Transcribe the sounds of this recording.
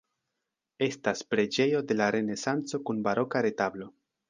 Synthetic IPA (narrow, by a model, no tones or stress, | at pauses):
e̞staspɾe̞d͡ʒe̞jo̞de̞laɾe̞ne̞sant͡so̞kunbaɾʔo̞kaɾe̞tablo̞